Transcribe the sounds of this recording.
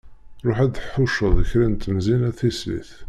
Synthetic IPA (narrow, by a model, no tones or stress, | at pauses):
ɾˤoħæd̪ħʊʃəðˤəçɾint̪əmzinæθislḭθ